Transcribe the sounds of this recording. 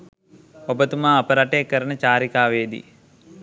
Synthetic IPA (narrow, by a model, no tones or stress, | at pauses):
obət̪umaːɐpɐɾaʈeːkəɾəɳət͡ʃaːɾikaːʋeːd̪ḭ